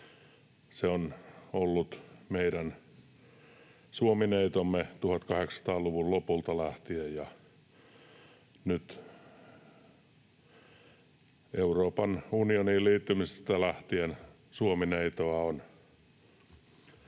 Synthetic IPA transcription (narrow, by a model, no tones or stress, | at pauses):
seonolːut̪meiɾæn | suomineit̪omːet̪uhɑt̪kɑheksɑ̥t̪ɑːluʋullopult̪ɑlæht̪iejjɑ | nyt̪ | euroːpɑnunioniːlliːt̪ːymisst̪ælæht̪ien | suomineit̪oɑon